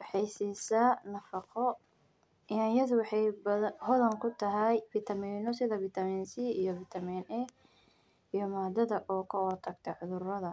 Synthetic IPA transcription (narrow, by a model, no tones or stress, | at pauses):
wɑħɑjsiːsaːnɐfɑqɔ | ɪajɐðʊwɑħɑjbɐhɔðɐŋkʰʊt̪ʰɐɦɛjfit̪ʰɐmiːnɔsɪðɐvɪt̪ʰɐmiːnsiːijɔvɪt̪ʰɐmiːnɛ | ijɔmaːd̪ɐðɐʔɔːkʰɐɔt̪ʰɐɡt̪ʰɐʕʊðʊrɐðɐ